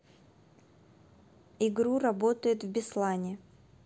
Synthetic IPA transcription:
ɪɡɾurɐbo̞t̪əjɪt̪vbʲɪslˠanʲɪ

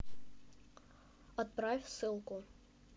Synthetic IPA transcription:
ɔt̪̚pɾafʲsɨlˠkʊ

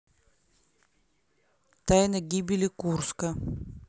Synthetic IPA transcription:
t̪ajnəɡʲibʲɪlʲɪkurskə

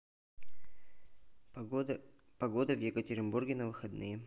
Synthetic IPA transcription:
pɐɡo̞d̪əvjɪkətʲɪɾʲɪnburɡʲɪnəvɨxɐd̪nɨjə

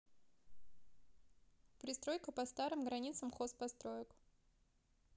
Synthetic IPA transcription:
pɾʲɪst̪ɾo̞jkəpɐst̪aɾɨmɡɾɐnʲit̪səmxospɐst̪ɾojək

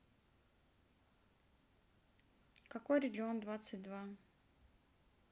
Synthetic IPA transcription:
kɐko̞jɾʲɪɡʲɪond̪vat̪sɨt̚ʲd̪va

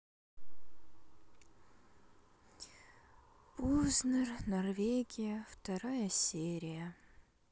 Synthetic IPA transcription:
uznɨrnɐrvʲeɡʲɪjəft̪ɐɾajəsʲeɾʲɪjə

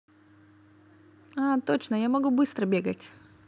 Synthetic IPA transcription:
at̪ot͡ɕnəjamɐɡubɨst̪ɾəbʲeɡətʲ

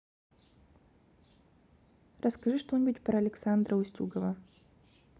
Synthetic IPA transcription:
ɾʔəskɐʐɨʂt̪onʲɪbutʲpɾɐːlʲɪksand̪ɾəʊsʲtʲṵɡəvə

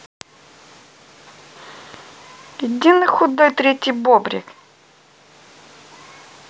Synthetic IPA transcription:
jɪdʲinɨxʊd̪ojt̪ɾʲetʲːɪjbobɾʲɪ̰k

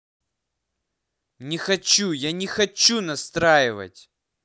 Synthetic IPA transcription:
nʲɪxɐt͡ɕujanʲɪxɐt͡ɕːunɐst̪ɾajɪvə̰tʲ

